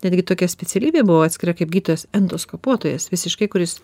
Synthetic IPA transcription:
nʲɛd̪ʲɡʲɪt̪oːkʲɛsʲpʲɛsʲɛlʲiːbʲeːbʊʋoːɑːt̪ʲsʲkʲɪɾɐkɐɪp̚ɡʲiːt̪oːjɛsɛnd̪oːskopuɔt̪oːjɛsʋʲɪsʲɪʃkɐɪkʊɾʲɪs

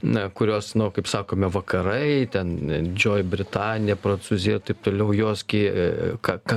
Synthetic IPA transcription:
nɐkʊɾʲoːsnʊkɐɪpsɑːkoːmʲɛʋɐkɐɾɐɪt̪ʲɛnd̪ʲɪd͡ʒʲoːjbʲɾʲɪt̪ɑːnʲɪjɛpɾɐnsuːzʲɪjɛɪt̪ɐɪp̚t̪oːlʲɛʊjoːskʲiːkɑkɐ

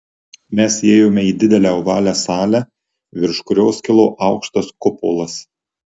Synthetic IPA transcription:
mʲɛseːjoːmʲɛiːd̪ʲɪd̪ʲɛlʲæːɔʋɑːlʲæːsɑːlʲæ | ʋʲɪɾʃkʊɾʲoːskʲɪlˠoːʔɑˑʊkʃt̪ɐskʊpo̰ːlˠɐs

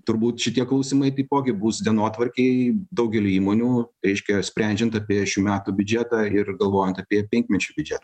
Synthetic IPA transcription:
t̪ʊɾbuːt̪ʃʲɪt̪ʲiɛklˠɐʊsʲimɐɪt̪ɐɪpoːɡʲɪbuːsd̪ʲiɛnoːt̪ʋɐɾʲkʲɛɪd̪ɐʊɡʲɛlʲɪiːmoːnʲuːɾʲɛɪʃʲkʲɛsʲpʲɾʲɛˑnʲd͡ʒʲɛnt̪ɐpʲiɛʃʲuːmʲæːt̪ubʲʊd͡ʒʲæːt̪ɑːɪrɡɐlˠʋoːjɛnt̪ɐpʲiɛpʲɛŋʲkʲmʲɛt͡ʃʲuːbʲʊd͡ʒʲæːt̪ɐ

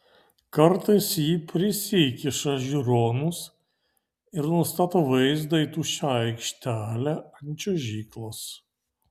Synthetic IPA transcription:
kɐɾt̪ɐɪsjiːpʲɾʲɪsʲikʲɪʃɐʒʲiɾoːnʊs | ɪɾnʊst̪ɑːt̪oːʋɐɪzd̪ɐit̪uʃʲɑɐɪkʃʲt̪ʲæːlʲæɐnʲt͡ʃʲoːʒʲiːklˠos

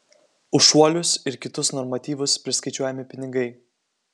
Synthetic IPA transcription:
ʊʃuɔlʲʊsɪɾkʲɪt̪ʊsnɔɾmɐt̪ʲiːʋʊspʲɾʲɪskɐɪt͡ʃʲuɔjɛmʲɪpʲɪnʲɪɡɐɪ

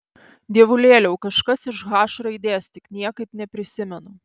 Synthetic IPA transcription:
d̪ʲiɛʋʊlʲeːlʲɛʊkɐʃkɐsɪʃɣɑːʃɾɐɪd̪ʲeːst̪ʲɪknʲiɛkɐɪpnʲɛpʲɾʲɪsʲɪmʲɛnʊ

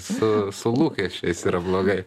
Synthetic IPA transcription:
sʊsʊlˠuːkʲɛʃʲt͡ʃʲɛɪsiːɾɐblˠoːɡɐɪ

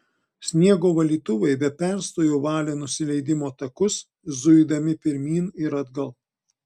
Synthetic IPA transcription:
sʲnʲiɛɡoːʋɐlʲiːt̪ʊʋɐɪbʲɛpʲɛˑɾst̪oːjoːʋɑːlʲeːnʊsʲɪlʲɛɪd̪ʲɪmoːt̪ɐkʊs | zʊɪd̪ɐmʲɪpʲɪɾʲmʲiːnɪɾɐd̪ɡɐlˠ

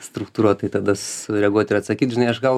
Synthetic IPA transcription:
st̪ɾʊk̚t̪uːɾuɔt̪ɐɪt̪ɐd̪ɐsʊɾʲɛɡuɔt̪ʲɪɾɐt̪sɐkʲiːt̪ʒʲɪnɐɪɐʃɡɐlˠ

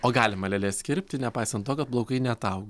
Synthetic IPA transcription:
oːɡɑːlʲɪmɐlʲɛlʲeːsʲkʲɪɾʲpʲt̪ʲɪnʲɛpɐɪsɐnt̪t̪oːkɐt̪̚blˠoʊkɐɪnʲɛɐt̪ɐʊɡo

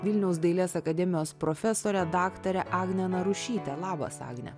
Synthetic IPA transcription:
ʋʲɪlʲnʲɛʊsd̪ɐɪlʲeːsɐkɐd̪ʲɛmʲɪjoːspɾɔfʲɛsoːɾʲɛd̪ɑːkt̪ɐɾʲɛʔɑːɡnʲɛnɐɾʊʃʲiːt̪ʲɛlˠɑːbɐ̰sɑ̰ːɡnʲɛ̰

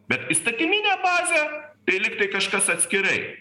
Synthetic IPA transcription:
b̥ʲɛt̪ist̪ɐt̪ʲɪmʲinʲæːbɑːzʲet̪ɐɪlʲɪkt̪ɐɪkɐʃkɐsɐt̪ʲsʲkʲɪɾɐɪ

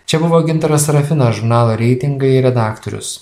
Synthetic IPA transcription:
t͡ʃʲɛbʊʋoːɡʲɪnt̪ɐɾɐsɾɐfʲɪnɐsʒʊɾnɑːlˠoːɾʲɛɪt̪ʲɪŋɡɐɪɪɾʲɛd̪ɑːkt̪ɔɾʲʊ̰s

